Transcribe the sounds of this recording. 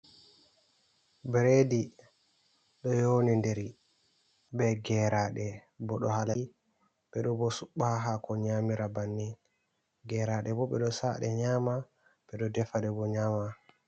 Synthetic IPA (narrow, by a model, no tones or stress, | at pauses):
bɾedi | ɗɔjonindeɾi | bɛɡɛɾaɗɛ | bɔɗɔhala | ɓɛɗɔbɔsuɓːaaɦakɔɲamiɾabanːin | ɡɛɾaɗɛbɔɓɛɗɔsa̰ɗɛɲaːma | ɓɛɗɔdɛfaɗɛbɔɲaːma